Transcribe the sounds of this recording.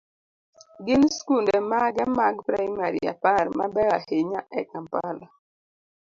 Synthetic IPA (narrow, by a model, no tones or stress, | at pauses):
ɡɪnskundɛmaɡɛmaɡpɾajmaɾḭja̰paɾmabɛɣaheɲaʔɛkampala